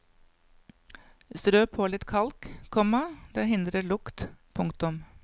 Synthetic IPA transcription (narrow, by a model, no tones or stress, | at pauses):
st̪ɾøːpʰoːlɪt̪kʰɑlkkʰɔmɑd̪eːɦɪnd̪ɾəɭʊkt̪pʰʊŋkt̪ʊm